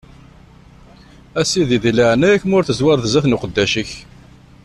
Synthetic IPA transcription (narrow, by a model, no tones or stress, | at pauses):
æsiðiðləʕnæjækːmʊɾθəzwɑɾˤðəzæθnuqəd̪ːæʃəç